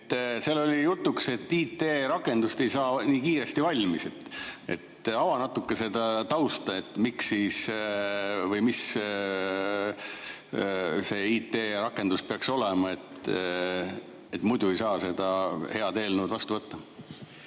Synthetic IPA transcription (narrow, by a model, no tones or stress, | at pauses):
t̪ːˑse̞lːo̞lʲijut̪ːˑukse̞t̪ːˑiːt̪ːeɾɑkːˑe̞nd̪ust̪e̞jsɑːniːkiːɾe̞st̪ivɑlʲmise̞t̪e̞̰t̪ɑwɑnɑt̪ːˑukːˑesed̪ɑt̪ɑwst̪ɑe̞t̪ːˑmiksːiːs | vɤjmis | se̞ːiːt̪ːˑe̞ːɾɑkːˑe̞nd̪̥uspeɑkso̞lemɑe̞t̪ | et̪ːmujd̪ue̞jsɑːse̞d̪̥ɑhe̞ɑd̪e̞ːlnuːd̪vɑst̪uvɤt̪ːɑ